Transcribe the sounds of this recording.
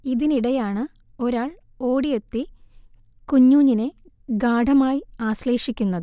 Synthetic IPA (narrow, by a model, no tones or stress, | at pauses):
iðiniɽɐjaːɳɨ | o̞ɾaːɭ | o̞ːɽijet̪ːi | kuɲːuːɲːine | ɡaːɖʱɐmaːjiaːɕle̞ːʂikʲːunːɐðɨ